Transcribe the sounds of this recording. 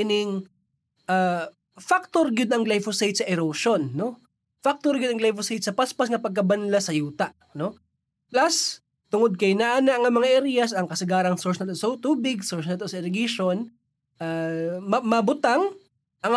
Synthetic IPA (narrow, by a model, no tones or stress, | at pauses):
nɪŋ | ʔa | fak̚t̪oɾɡɪd̪ɐŋɡlajfosajt̪̚sɐʔɛɾoʃonːo̞ | fak̚t̪oɾɡɪd̪ɐŋɡlajfosajt̪sɐpaspas̬ŋɐpɐɡ̚kɐbɐnlasɐjuːt̪ɐʔ | no̞ | plas | t̪ʊŋod̪̚kɐjnaʔanɐʔɐŋɐmɐŋaʔɛɾijɐsɐŋkɐsɪɡaːɾɐŋsoɹsnɐlt̪sot̪uːbɪɡsoɹsnɐlt̪osɛɾɪɡiʃon | ʔammɐbʊt̪aŋ | ʔɐŋ